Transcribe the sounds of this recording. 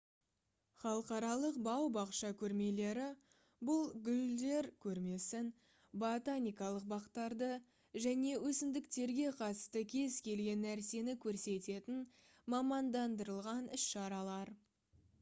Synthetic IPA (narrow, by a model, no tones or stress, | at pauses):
χɑlˠəqɑɾɑlˠəqbɑwbɑqʃɑkʲʰɵɾme̞le̞ɾɪ | bʊlˠɡʲʏld̪e̞ɾkʲʰɵɾme̞sɪn | bot̪anʲijkɑlˠəq̚bɑqt̪ːɑɾd̪ə | ʒæne̞wɵsɪmd̪ɪkt̪e̞ɾɡʲe̞qʰɑt̪əst̪əkʲʰe̞zkʲʰe̞lɡʲe̞nːæɾse̞nɪkʲʰɵɾse̞t̪e̞t̪ɪn | mɑmɑnd̪ɑnd̪əɾəlˠʁɑnɪsʃɑɾɑlˠɑɾ